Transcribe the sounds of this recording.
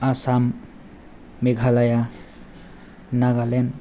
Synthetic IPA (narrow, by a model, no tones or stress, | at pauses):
asam | eɡʱalaja | naɡalen